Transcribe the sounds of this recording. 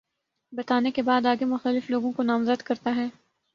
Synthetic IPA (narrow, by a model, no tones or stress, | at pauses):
bɐt̪aːnekebaːd̪aːɡemʊxt̪əlɪfloːɡõkonaːmzəd̪kɐɾt̪aɦɛː